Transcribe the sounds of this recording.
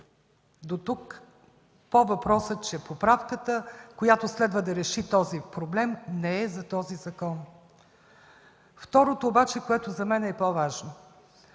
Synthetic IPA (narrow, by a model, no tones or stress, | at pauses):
d̪ot̪uk | povɐpɾɔsət͡ʃɛpopɾafkət̪əkojat̪oslɛd̪vəd̪ɐɾɛʃit̪ɔzipɾoblɛmnɛɛzɐt̪ɔzizɐkɔn | ft̪ɔɾot̪oːbat͡ʃɛkoɛt̪ozɐmɛnɛpovaʒno